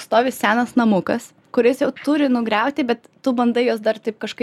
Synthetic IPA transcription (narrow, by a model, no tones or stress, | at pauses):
st̪oːʋʲɪsʲæːnɐsnɐmʊkɐs | kʊɾʲɪsjɛʊt̪ʊɾʲɪnʊɡɾʲɛʊt̪ʲɪbʲɛt̪ːʊbɐnd̪ɐɪjoːsd̪ɐrt̪ɐɪp̚kɐʃkɐɪ